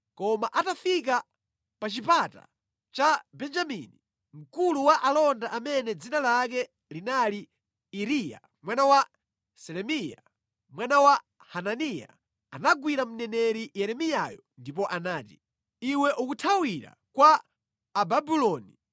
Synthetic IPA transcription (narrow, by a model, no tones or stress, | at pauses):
kɔmaʔatafik̬a | pat͡ʃipata̰ | t͡ʃabɛnd͡ʒamini | m̩kuluwaʔalɔndaʔamɛnɛd͡zinalak̬ɛ | linali | iɾija̰ | mwanawa | sɛɾɛmija̰ | mwanawa | hananija̰ | anaɡwiɾam̩nɛnɛɾijɛɾɛmijajɔndip̬ɔʔanaːti̥ | iwɛʔukutʰawiɾa̰kwaː | babilɔːni